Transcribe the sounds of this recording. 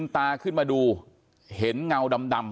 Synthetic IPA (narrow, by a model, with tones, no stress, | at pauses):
ŋt̪aː˧kɨ˧˥˩maː˨˩ɗu˨˧˩ | he˨˦nŋa˧˩wɗa˨˧˩mɗa˨˩m